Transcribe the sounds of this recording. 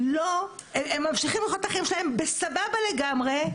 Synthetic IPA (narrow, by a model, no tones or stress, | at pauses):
lo | ememːamʃiχimleχot̪aχaimʃelahembe̞sababale̞ɡamʁe̞